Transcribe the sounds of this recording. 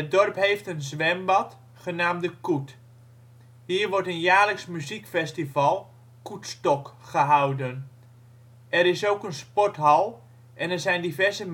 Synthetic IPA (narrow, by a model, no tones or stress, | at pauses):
ət̚dɔrpɦejftənzʋɛmbɑt | χənaːmdəkut | hiːɹʋɔɹtənjaːləksmyzikfɛstivɑlˠ | kutstɔkχəɦawdən | ʔɛɾɪsowkənspɔtɦɑlˠ | ʔɛnɛɹzɛjndivɛɹzəm